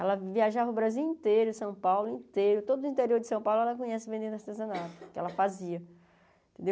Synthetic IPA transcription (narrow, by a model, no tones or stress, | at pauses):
ɛlɐviaʒavɐʊbɾaziwĩnt̪eɾʊsɐ̃w̃pawlʊĩt̪eɾʊt̪od̪ʊʊĩnt̪eɾioɾd͡ʒɪsɐ̃w̃pawlʊɛlɐkõɲɛsɪvẽnd̪ẽd̪aɾt̪ezɐ̃nat̪ʊ̥kɪɛ̰lɐfaziɐ | t̪ẽd̪ew